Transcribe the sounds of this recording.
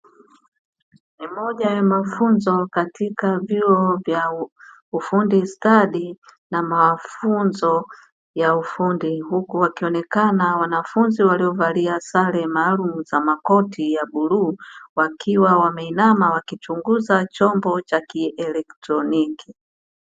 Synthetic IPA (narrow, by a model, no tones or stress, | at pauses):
mimɔʄajamafunzɔkatʰikavjuɔvja | ufundistaɗinamafunzɔ | jaufundihukuwakiɔnɛkanawanafunziwaliɔvaliasalɛmaːlumuzamakɔtʰijaɓuluːwakʰiwawamɛinamawakit͡ʃuŋɡuzat͡ʃɔmbɔt͡ʃakiɛlɛktɾɔniki